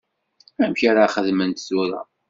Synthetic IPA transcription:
æmçaɾaχəðmənt̪suɾˤɑ̰

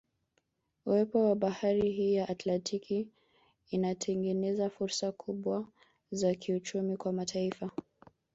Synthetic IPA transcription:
uwɛpɔwaɓahaɾiɦiːjaʔːtlantʰikʰiː | natʰɛŋɡɛnɛzafuɾsakʰuɓwa | zakʰiut͡ʃumikwamatʰaifa

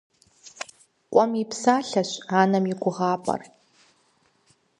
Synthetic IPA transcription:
qʷʼɔmipsaːɬɐɕaːnɐmɪɡʷʊʁaːpʼɐ̰r

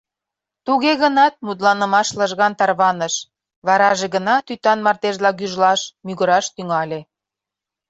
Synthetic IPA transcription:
t̪uɣeɣənɑt̪̚mut̪̬lɑnə̆mɑʃlə̆ʒɣɑnt̪ɑrβɑnəʃ | βɑɾɑʒeɣənɑt̪yt̪ɑnmɑrt̪eʒlɑɣyʒlɑʃmyɣəɾɑʃt̪yŋɑlʲe

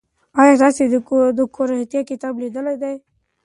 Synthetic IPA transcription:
ɑjɑd̪ɑsed̪əkoɾat̪ijakɪt̪ɑblid̪əlajd̪aj

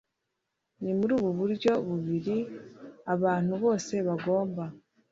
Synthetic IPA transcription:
nimuɾuːβuβuɾɟo̞βuβiɾi | aβaːn̥huβo̞ːse̞βaɡo̞ːmba

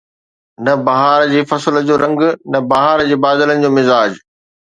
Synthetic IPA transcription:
nɐbɐɦaːɾd͡ʑeːfɐsələd͡ʑoːɾɐ̃ŋɡnɐbɐɦaːɾd͡ʑeːbaːd̪ələnɪ̆d͡ʑoːmɪzaːd͡ʑ

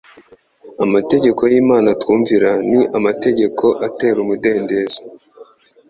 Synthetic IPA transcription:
amate̞ɟe̞ko̞jiːmaːnatkuːɱviɾaniʔamate̞ɟe̞kʰo̞ʔate̞ːɾumude̞ːnde̞ːzo

